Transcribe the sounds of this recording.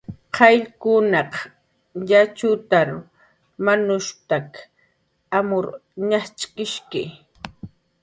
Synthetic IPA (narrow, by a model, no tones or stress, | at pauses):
qʰɑjʎkʊnɑq | jat͡ʃʊt̪aɾ | manʊʃt̪ak | amʊɾɲat͡ʃʼkɪʃkɪ